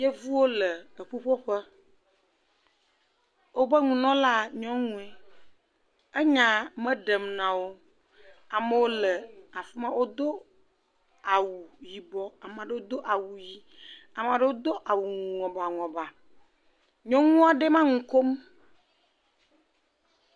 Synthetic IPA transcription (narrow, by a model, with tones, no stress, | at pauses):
je˦vu˦wo˦lə˨ə˨ɸu˦ɸo˦ɸə˦ | wo˦bə˦ŋũ˨nɔ̃˦la˦ɲɔ̃˦ŋũ˦ɛ˦ | e˦ɲã˨mə̃˦ɖə˨mnã˨wo˦ | a˨mə˦wo˦lə˨a˨fi˦mã˦wo˦d̪o˦ | a˨wu˨ji˨bɔ˦a˨m˨a˨ɖe˦wo˦d̪o˦ʔa˨wu˨ji˦ | a˨m˨a˨ɖe˦wo˦d̪o˦ʔa˨wu˨ŋɔ̃˨ba˨ŋɔ̃˨ba˨ | ɲɔ̃˦ŋũ˦a˨ɖe˦mã˦ŋũ˨ko˦m